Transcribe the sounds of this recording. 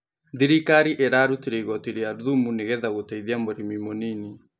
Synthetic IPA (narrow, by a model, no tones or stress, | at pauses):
ðiɾikaɾiʔeɾaɾutiɾeiɣɔtiɾeaɾuðumuneɣɛðaɣotaiðiamoɾimimonini